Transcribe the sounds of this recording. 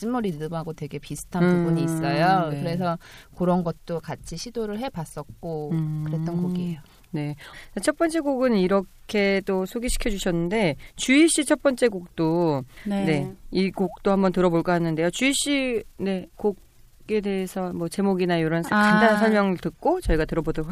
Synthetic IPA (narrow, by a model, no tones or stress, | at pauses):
t͡ɕ͈imuɾindɯmaɡotwe̞ɡepisʰɯ̥tʰapubuɲiːss͈ʌjokɯɾe̞s̬ʰʌkɯɾʌnɡʌt̚t͈okat͡ɕʰiɕʰidoɾɯɭɦe̞bas͈ʌt̚k͈okɯɾet̚t͈ʌnkoɡiejo | ne̞t͡ɕat͡ɕʰʌp͈ʌnt͡ɕ͈e̞ɡoɡɯniɾʌkʰe̞d͈osʰoɡiɕʰi̥kʰjʌd͡ʑuɕʰʌnːɯnde̞t͡ɕuiɕ͈it͡ɕʰʌp͈ʌnt͡ɕ͈e̞ɡok̚t͈onne̞iɡok̚t͈ohambʌntɯɾʌboɭk͈ahanːɯnde̞jot͡ɕuiɕ͈ine̞koɡ | e̞de̞ːsʰʌmwʌt͡ɕe̞moɡinaoɾʌnsʰt͡ɕandanansʰʌɭmjʌŋɯɭtɯk̚k͈ot͡ɕʌiɡatɯɾʌbodʌ